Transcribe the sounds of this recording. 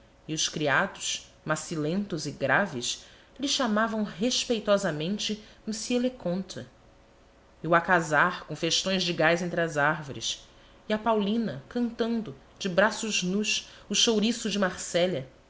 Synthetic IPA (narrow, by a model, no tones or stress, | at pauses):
iʊʃkɾiad̪ʊʃ | masilẽnt̪ʊzɪɡɾavɪʃ | lɪʃamavɐ̃w̃ɦeʃpejt̪ɔzɐmẽnt͡ʃɪmisielekõnt̪ʰɐ | iwakazaɾkõw̃feʃt̪õj̃zd͡ʒɪɡajzẽnt̪̬ɾɪɐzaɾvoɾḭs | iɐpawlĩnɐkɐ̃nt̪ɐ̃nd̪ʊ | d͡ʒɪbɾasʊʒnuʃ | ʊʃowɾisʊd͡ʒɪmaχsɛʎɐ